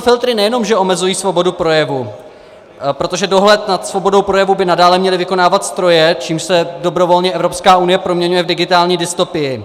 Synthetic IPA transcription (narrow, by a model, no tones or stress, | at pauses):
fɪlt̪ɾɪnɛjɛno̞mʒɛʔo̞mɛzujiːsvo̞bo̞dupɾo̞jɛvu | pɾo̞t̪o̞ʒɛdo̞ɦlɛt̪nat̪svo̞bo̞do̞wpɾo̞jɛvubɪnadaːlɛmɲɛlɪvɪko̞naːvat̪st̪ɾo̞jɛt͡ʃiːmʃsɛdo̞bɾo̞vo̞lɲɛʔɛvɾo̞pskaːunɪjɛpɾomɲɛɲujɛvdɪɡɪt̪aːlɲiːdɪst̪opɪjɪ